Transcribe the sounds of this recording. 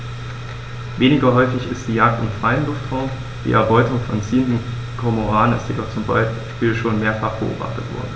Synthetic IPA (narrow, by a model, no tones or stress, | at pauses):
veːnɪɡɐɦɔʏfɪçɪstd̥iːjaːk̚tɪmfʁ̥aɪənlʊftʁaʊm | d̥ḭːʔɛɐbɔʏtʊŋfɔnt͡siːəndn̩ | kʰɔɐmoʁaːnənɪ̰stjedɔχt͡sʊmbaɪʃpiːlʃoːnmeːɐfaχb̥ə̰ʔo̰ːba̰χtətv̥ɔ̰ɐdn̩